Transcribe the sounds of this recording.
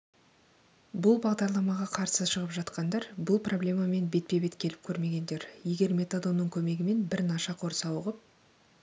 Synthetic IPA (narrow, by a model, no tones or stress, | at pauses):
bʊlˠbɑʁd̪ɑɾlˠɑmɑʁɑqʰɑɾsəʃəʁəpʒɑt̪qɑnd̪ɑɾbʊlˠpro̞blʲe̞mɑme̞nbe̞t̪̚pe̞be̞t̪kʲʰe̞lɪp̚kʲʰɵɾme̞ɡʲe̞nd̪e̞ɾje̞ɡʲe̞ɾmʲe̞t̪ad̪o̞nːəɴkʲʰɵme̞ɡʲɪme̞nbɪɾnɑʃɑqʰo̞ɾsɑwəʁəp̚